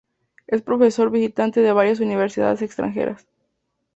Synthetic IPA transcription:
e̞spɾo̞fe̞so̞ɾβisit̪ant̪eðeβaɾjas̬uniβ̞eɾsiða̰ðesekst̪ɾa̰ŋxḛɾʔa̰s

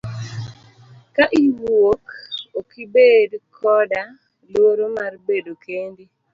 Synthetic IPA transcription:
kaʔiwwokokibedkʰɔda | lwoɾomarbedokʰendi

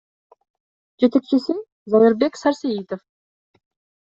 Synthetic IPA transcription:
d͡ʒe̞t̪e̞k̚t͡ʃɪsɪ | zɑjɪɾbe̞ksɑɾsejit̪of

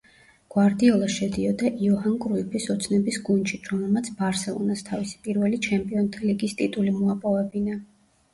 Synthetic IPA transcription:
ɡ̥waɾd̪iɔlˠaʃɛd̪iɔd̪aʔiɔɦankʼɾuipʰisɔt̪sʰnɛbisɡunʃit̪ʰɾɔmɛlˠmat̪sʰbaɾsɛlˠɔ̰nast̪ʰavisi̥pʼiɾvɛlit͡ʃʰɛmpʼiɔnt̪ʰiliɡist̪ʼit̪ʼulimuapʼɔvɛbina

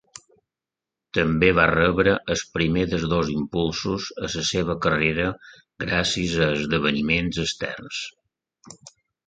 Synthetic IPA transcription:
t̪əmbeβarəβɾəʔəspɾimeðəzðozimpulˠsuzəsəseβ̞əkəreɾə | ɡɾasizəːzðəβ̞ənimenzəst̪ɛ̰rns

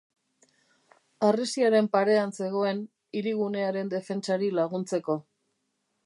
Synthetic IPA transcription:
aresiaɾe̞mpaɾe̞anse̞ɣ̞o̞e̞n | iɾiɣ̞une̞aɾe̞nd̪e̞fe̞nt͡saɾilaɣ̞unt͡se̞ko̞

